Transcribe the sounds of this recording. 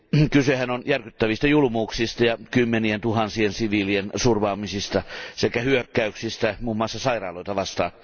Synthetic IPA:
kysehænonjærkyt̪ːæʋist̪ɑjulumuːksist̪ɑjɑkymːenient̪uhɑnsiensiʋiːliensurʋɑːmisist̪ɑsekæhyøkːæyksist̪æmuːmːoɑsːɑsɑirɑ̰ːloit̪ɑʋɑst̪ɑ̰ːn

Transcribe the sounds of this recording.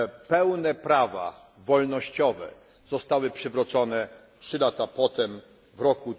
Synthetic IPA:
pɛwnɛpɾava̰ | vɔlnɔɕt͡ɕɔvɛ̰ | z̥ɔst̪awɘpʂɘvɾɔt̪sɔnɛ | tʂɘlat̪apɔt̪ɛm | vɾɔku

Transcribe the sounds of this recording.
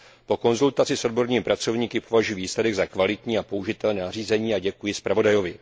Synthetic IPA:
po̞ko̞nzult̪at͡sɪso̞d̚bo̞ɾɲiːmɪpɾat͡so̞vɲiːkɪpovaʒujiviːslɛdɛɡzakvalɪt̪ɲiːapo̞uʒɪt̪ɛlnɛːnariːzɛɲiːaɟɛkujɪspɾavo̞dajo̞vɪ

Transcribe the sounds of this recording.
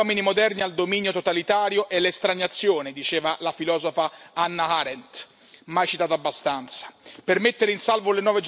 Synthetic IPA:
ɔminimod̪ɛrniald̪ominjot̪ot̪alit̪aːɾjoʔɛlest̪ɾaɲat̪sːjoːned̪it͡ʃeːvalafilɔːzofaanːaaɾɛnt̪ | majt͡ʃi̥t̪aːt̪oabːast̪ant̪sḁpermet̪ːeɾeinsalvolenɔːved͡ʒ

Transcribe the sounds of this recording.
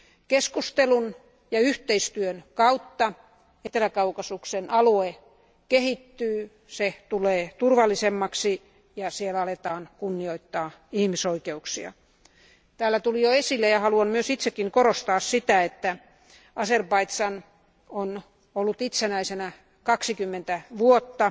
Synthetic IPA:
keskust̪elun | jɑyht̪eist̪yønkɑut̪ːɑ | et̪elækɑukɑsuksenʔɑlue | kehit̪ːyː | set̪uleːt̪urʋɑlːisemːɑksi | jɑsielæɑlet̪ɑːnkunːioit̪ːɑːihmisoikeuksiɑ̰ | t̪æːlːæt̪ulijoesilːejɑhɑluɑmmyøsit̪sekːiŋkorost̪ɑːssit̪æet̪ːæ | ɑserpɑit̪sɑn | on | olːut̪it̪senæisenæ | kɑksikymːent̪æʋuot̪ːɑ

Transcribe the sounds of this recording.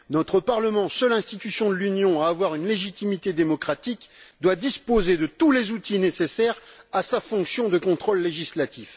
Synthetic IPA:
nɔt̪χəpaʁləmɑ̃sœlɛ̃st̪it̪ysjɔ̃d̪əlynjɔ̃aːvwaʁynleʒit̪imit̪ed̪emɔkχat̪ikd̪wad̪ispozed̪ət̪ulezut̪inesesɛʁasafɔ̃ksjɔ̃d̪əkɔ̃t̪χolːeʒislat̪if

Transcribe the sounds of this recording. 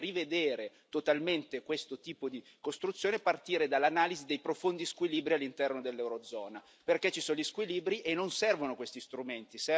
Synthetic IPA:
rived̪eːɾe | t̪ot̪alment̪ekwest̪ot̪iːpod̪i | kost̪ɾut̪sːjoːnepart̪iːɾed̪alːanaːlizid̪ejpɾofond̪iskwiliːbɾialːint̪ɛrnod̪elːɛwɾod̪zɔːna | perket͡ʃːisoːnoʎiskwiliːbɾiʔenːonsɛrvonokwest̪ist̪ɾument̪isɛ

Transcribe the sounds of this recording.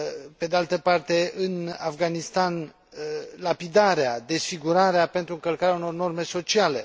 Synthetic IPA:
pe̞d̪ealt̪əpart̪e̞ɨnafɡanist̪an | lapid̪aɾead̪e̞sfiɡuɾaɾeape̞nt̪ɾuɨŋkəlkaɾeauno̞rno̞rme̞so̞t͡ʃiale̞

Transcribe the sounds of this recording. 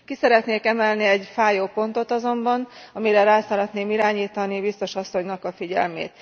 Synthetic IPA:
kisɛɾɛt̪neːkɛmɛlniɛɟfaːjoːpo̞nt̪o̞t̪ɒzo̞mbɒnɒmiɾɛɾaːsɒɾɛt̪neːmiɾaːɲiːt̪ɒnibist̪o̞ʃɒsːo̞ɲnɒkɒfiɟɛ̰lmḛːt̪

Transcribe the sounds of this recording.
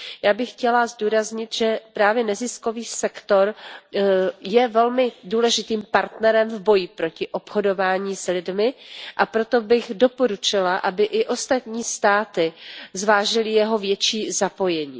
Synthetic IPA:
jaːbɪxxcɛlazduːɾazɲɪt̪ʒ̥ɛpɾaːvjɛnɛzɪsko̞viːsɛkt̪o̞ɾ | jɛvɛlmɪduːlɛʒɪt̪iːmpaɾt̪nɛɾɛmvbo̞jɪpɾo̞cɪʔo̞pxodo̞vaːɲiːslɪdmɪʔapɾo̞t̪o̞bɪɣdo̞po̞ɾut͡ʃɪlaʔabɪʔɪʔo̞st̪at̪ɲiːst̪aːt̪ɪzvaːʒɪlɪjɛɦo̞vjɛt͡ʃiːzapo̞jɛɲḭː

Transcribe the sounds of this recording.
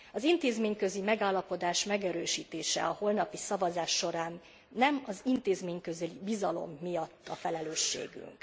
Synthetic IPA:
ɒzint̪eːzmeːɲkø̞zimɛɡaːlːɒpo̞d̪aːʃmɛɡɛɾøːʃiːt̪eːʃɛ̰ɒho̞lnɒpisɒvɒzaːʃːo̞ɾaːnː | ɛmɒzint̪eːzmeːɲkøzɛlibizɒlo̞̰mːijɒt̪ːɒ̰fɛlɛløːʃːḛːɡy̰ŋk

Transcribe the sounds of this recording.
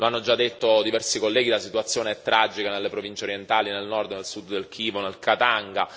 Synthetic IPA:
loanːod͡ʒad̪ːet̪ːod̪ivɛrsikolːɛːɡilasit̪uat̪sːjoːneɛt̪ːɾʔad͡ʒikanelːepɾovint͡ʃeoɾjent̪aːlinelnɔrd̪nelsud̪d̪elkʰiːvonelkʰat̪aŋɡa̰

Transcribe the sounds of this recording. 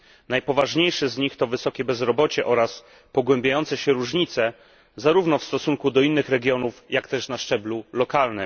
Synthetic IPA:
najpɔvaʐɲejʂɘzɲixt̪ɔvɘsɔkʲɛbɛzɾɔbɔt͡ɕɛʔɔɾas | pɔɡwɛmbʲjajɔnt̪sɛɕɛɾuʐɲit̪sɛ | zaɾuvnɔfst̪ɔsuŋkud̪ɔinːɘxɾɛɡʲjɔnufjakt̪ɛʂnaʂt͡ʂɛblulɔkalnɘm

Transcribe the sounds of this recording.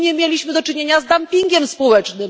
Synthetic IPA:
ɲɛmʲjelʲiɕmɘd̪ɔt͡ʂɘɲeɲazd̪ampʲiŋɡʲɛmspɔwɛt͡ʂnɘm

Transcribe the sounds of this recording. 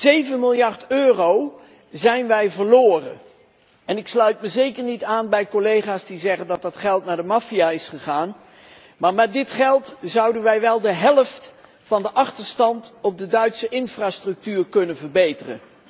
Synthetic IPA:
zejvənmɪlˠjɑrtøːrow | zɛjnʋɛjvəɹloːrə̰n | ɛnɪkslœɥtməzejkəɹnitaːnbɛjkolejχaːsdizɛχəndɑt̚dɑtχɛlˠtnaːɹdəmɑfiaːɪsχəχaːn | maːɹmɛt̚dɪtχɛlˠtzɑwdənʋɛjʋɛlˠdəɦɛləft | fɑndəʔɑχtəɹstɑntɔb̚dədœɥtsəʔɪnfraːstrɵk̚tyːɹkɵnənvəɹbejtərə̰n

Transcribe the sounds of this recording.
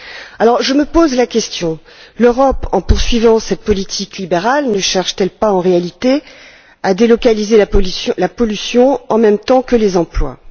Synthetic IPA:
alɔʁʒəməpozlakʲɛst̪jɔ̃ | løʁɔpɑ̃puʁsɥivɑ̃sɛt̪̚pɔlit̪ʰiklibeʁalnəʃɛʁʃt̪ɛlpaɑ̃ʁealit̪e | ad̪elɔkalizelãlapɔlysjɔ̃ɑ̃mɛmt̪ɑ̃kəlezɑ̃plwa̰

